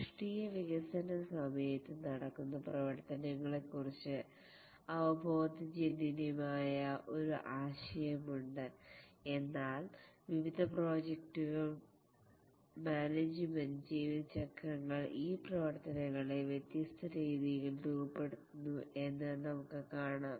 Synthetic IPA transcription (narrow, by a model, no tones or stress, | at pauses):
ʂʈijɐʋiɣɐsɐnɐsɐmɐjɐt̪ːɨnɐɽɐkːunːɐprɐʋɐɾt̪ɐnɐŋːɐɭe̞kːurit͡ɕːɨ | ɐʋɐbʱo̞ːd̪id͡ʑeninimaːjɐʔo̞ɾuʔaːɕɐjɐmuɳɖɨe̞nːaːlʋiʋid̪ʱɐpro̞ːd͡ʑekʈuɣɐ | maːned͡ʑɨmɐnd͡ʑiːʋt͡ɕɐkrɐŋːɐɭiːprɐʋɐrt̪ɐnɐŋːɐɭeʋjet̪jɐst̪ʰɐɾiːðiɣɐld̪uɣɐpːe̞ɽut̪ːunːuʔe̞nːɨnɐmukːɨkaːɳaːm